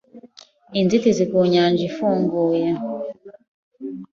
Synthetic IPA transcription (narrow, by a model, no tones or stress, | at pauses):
inzitizikuɲaɲd͡ʒifuŋɡuja